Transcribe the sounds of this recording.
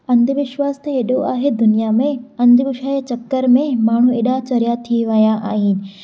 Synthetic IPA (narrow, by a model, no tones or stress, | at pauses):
ɐ̃nd̪ʱʋɪʃwaːst̪eeːɗoa̰ːɦed̪ʊnijamẽɐ̃nd̪ʱʋɪʃaːet͡ɕɐkːəɾmẽmaːɳ̤ũeːɗat͡ɕɐɾijat̪ʰiʋɐjãʔa̰ːɦɪnɪ̆